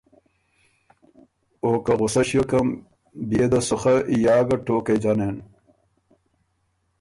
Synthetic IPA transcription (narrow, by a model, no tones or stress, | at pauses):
oːkɐʁusɐɕjokɐm | bied̪ɐsuχɐʔijaːɡɐʈoːked͡ʑɐnen